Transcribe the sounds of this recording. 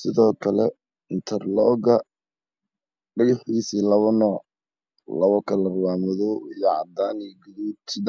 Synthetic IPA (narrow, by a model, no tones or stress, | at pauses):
sɪðɔːkʰɐlɛ | ɪnt̪ʰɛrlɔːɣɐ | ɖɪjɪħiːsilɐβɔnɔːʕ | lɐβɔkʰɐlɐrwaːmɔðɔijɔʕɑ̰d̪aːniɡʊðuːt̪ʰɪð